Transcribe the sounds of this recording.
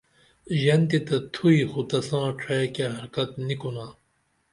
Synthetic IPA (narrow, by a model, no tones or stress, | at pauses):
ʑɐnt̪it̪ɐt̪ʰuixut̪ɐsãːʈ͡ʂʰekeɦɐɾkɐt̪nikunaː